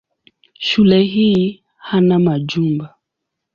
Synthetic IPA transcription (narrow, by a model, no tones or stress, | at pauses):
ʃulɛɦii | hanamad͡ʒumba